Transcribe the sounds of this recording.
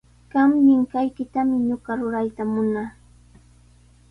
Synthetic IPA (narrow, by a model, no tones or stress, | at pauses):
ɢ̥ɑmʎɪŋkajkɪt̪amɪɲoɢɑɾʊɾajt̪amʊnaː